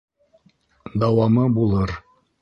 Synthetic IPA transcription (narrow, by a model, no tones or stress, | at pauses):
d̪ɑwɑmɤbulˠɤɾ